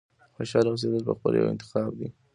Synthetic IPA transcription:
feʃɑlɾɑɣis̬ed̪əlpə̰xpəl̰ja̰wɪ̰nt̪ɪ̥xɑb̚d̪i

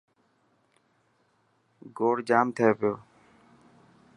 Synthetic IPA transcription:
ɡoːɽd͡ʒaːmt̪ʰəeːpɪjoː

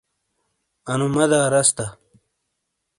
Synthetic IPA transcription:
ɐnumɐd̪aːɾɐst̪ɐ

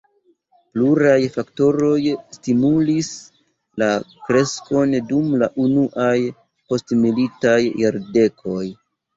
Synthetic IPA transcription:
pluɾajfakto̞ɾo̞jstimulis | lakɾe̞sko̞ndumlaʔunuʔaj | po̞stmilitajːaɾde̞kʰo̞j

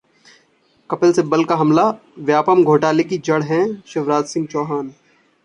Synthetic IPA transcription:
kɐpəlsebɐlkaɦɐmla | ʋjaːpəmɡʱoːʈaːlekid͡ʒɐɽɦɛ̃ʃɐʋɾaːt̪sɪ̃ŋɡ̚t͡ʃɔːɦaːn

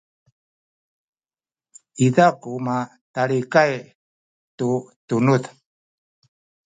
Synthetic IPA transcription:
iðakuma | talikaj | tutunut

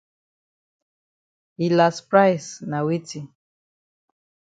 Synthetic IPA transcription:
hilaspɹajsnawitʰi

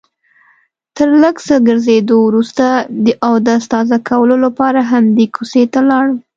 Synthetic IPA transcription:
t̪əɾləɡsəɡəɾzed̪owɾust̪ad̪əʔawd̪əast̪ɑzakawəlolapɑɾaɦamd̪ekʰuset̪alɑɽə

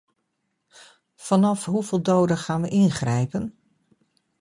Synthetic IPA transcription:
fɑnɑfɦuvɪːlˠdowdəχaːnʋəʔɪnχrɛjpən

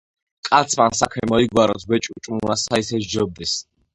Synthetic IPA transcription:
kʼat̪sʰmansakʰɛmɔiɡwaɾɔsʰwɛt͡ʃʼut͡ʃʼmunasaisɛʃd͡ʒɔb̚d̪ɛs

